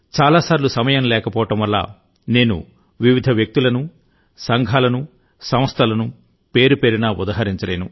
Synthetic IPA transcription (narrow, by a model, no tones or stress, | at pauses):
t͡ʃaːlaːsaːɾlusɐmɐjɐmlɛːkɐpɔːʋɐʈɐmʋɐlːa̰ː | ne̞ːnṵ | ʋiʋid̪ʱɐʋjɐk̚t̪ulɐnu | sɐŋɡʱaːlɐnu | sɐmɐst̪ʰɐlɐnu | pe̞ːɾupe̞ːɾinaːud̪aːɦɐɾiɲt͡ʃɐle̞ːnu